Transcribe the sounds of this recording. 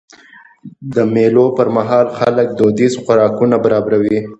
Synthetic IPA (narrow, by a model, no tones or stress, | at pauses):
d̪əmelopəɾmaɦɑlxalək̚d̪od̪izxʊɾɑkunabaɾɑbɾawi